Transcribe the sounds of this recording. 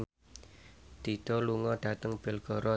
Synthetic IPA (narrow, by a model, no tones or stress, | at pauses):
d̪̥i̤d̪̥ɔ̤luŋɔɖ̥ä̤t̪əŋb̥ɪlɡ̥ɔ̤ɾɔ